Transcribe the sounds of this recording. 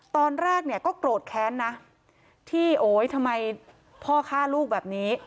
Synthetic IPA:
t̪ɔː˧nɾɛː˥˩k̚ni˥˩ɐkɔː˥˩kɾoː˨˩t̪̚kʰɛː˦˥nːa˦˥ | t̪ʰiː˥˩ʔoː˩˦jt̪ʰa˧mːa˧j | pʰɔː˥˩kʰaː˥˩luː˥˩k̚bɛː˨˩p̚niː˦˥

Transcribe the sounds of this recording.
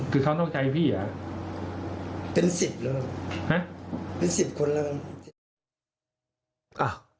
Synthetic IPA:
kʰɯː˧kʰa˥˩wnɔː˥˩t͡ɕa˧jpʰiː˥˩ʔa˨˦ | pe˧nsi˨˩p̚laː˦˥˩ha˦˥pe˧nsi˨˩p̚kʰo˧nla˧˥˩ | ʔa˨˩

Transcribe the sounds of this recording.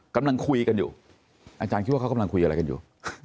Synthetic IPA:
ka˧mla˧ŋkʰu˧i˧ka˧njṵː˨˩ | ʔa˧t͡ɕaː˧nki˦t̪wa˥˩˧a˨mla˧ŋkʰu˧ʔa˧ɾa˧jka˧njṵː˨˩

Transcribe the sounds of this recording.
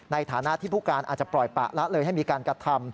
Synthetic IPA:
na˧jt̪ʰaː˩˦na˦˥ʔt̪ʰiː˥˩pʰuː˥˩kaː˧nʔaː˨˩t̪̚t͡ɕa˨˩plɔ˨˩jpa̰˨˩ʔla˦˥lɤː˧jɦa˥˩jmiː˧kaː˧nkɾa˧t̪ʰa˧m

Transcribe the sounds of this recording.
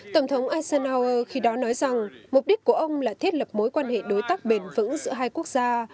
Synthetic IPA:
t̪ə˧˩wŋ͡mt̪ʰə˨˦wŋ͡mʔaː˧sɛ˧naː˧ʔəː˧xi˧ɗɔ˨˦nɔ˨˦jza˨˩ŋm˨˩k͡p̚ɗi˦˥k̟̚ku˧˩əʔə˧wŋ͡mlaː˨˩t̪ʰe˦˥t̚lə˨˩p̚mo˨˦jkwaː˧nhḛ˧˨ɗo˨˦jt̪aː˦˥k̚ɓe˧˩nvɨ̰˧˥ŋzɨ̰˧˥əɦaː˧jku˦˥ək̚z̥aː˧

